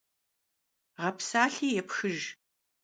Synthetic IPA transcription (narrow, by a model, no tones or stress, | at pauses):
ʁɐpsaːɬiːjɛpxɨʒ